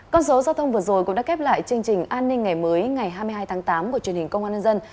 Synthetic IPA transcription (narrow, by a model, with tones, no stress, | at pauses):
kɔ˧nso˨˦zaː˧wt̪ʰə˧wŋ͡mvɨ˨˩əzo˨˩jkṵ˧˥ŋ͡mɗa̰ː˧˥kɛ˦˥p̚la̰ː˧˨jt͡ɕɨ˧əŋt͡ɕï˨˩ŋ̟ʔaː˧nːï˧ŋ̟ŋːa˨˩jməː˨˦jŋa˨˩jɦaː˧jmɨ˧haː˧jt̪ʰaː˨˦ŋt̪aː˨˦mku˧˩t͡ɕi˨˩ənhï˨˩ŋ̟kə˧wŋ͡mʔaː˧ɲə˧nzə˧n